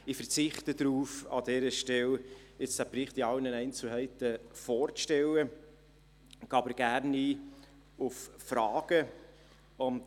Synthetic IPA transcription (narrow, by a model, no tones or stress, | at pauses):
ifəɾt͡sɪχt̪ədɾuːfɑ̰d̪ɛːɾəʃtɛlɪt͡sd̥æpɾɪχtiɑlnənɛɪnt͡sl̩ɦɛɪt̪əfɔːɾt͡sʃtɛlːə | ɡ̥ɑːbəɾɡ̥æɾniː | uffɾɑːɡ̥ə | ʊnt